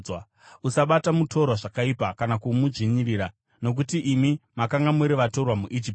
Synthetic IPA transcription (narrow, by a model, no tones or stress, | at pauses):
usaɓatamutʰo̞ɾwaʐakaipakanakumud͡ʒiɲiriːɾa | no̞k̬utiʔimimakaŋɡamuɾiʋato̞rwamuʔid͡ʒip̚